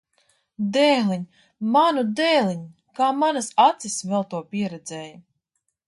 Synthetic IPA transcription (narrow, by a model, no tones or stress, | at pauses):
d̪ɛːliɲʲ | manud̪ɛːlʲiɲ | kaːmanasat̪sisvɛlˠt̪uɔpʲiɛɾɛd̪zɛːjɐ